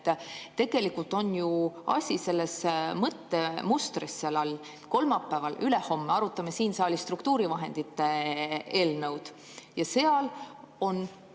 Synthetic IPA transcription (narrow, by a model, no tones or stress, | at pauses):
t̪ːt̪e̞ɡ̥e̞likult̪o̞njuɑ̰sʲise̞lːesmɤt̪ːemust̪risːelɑlː | ko̞lmɑpːˑævɑlyleho̞mːeɑɾut̪ːˑɑmesiːnsɑːlist̪rukt̪uːɾivɑɦe̞nd̪̥it̪ːeeːlnɤ̞wd̪̥ | jɑse̞ɑl | o̞n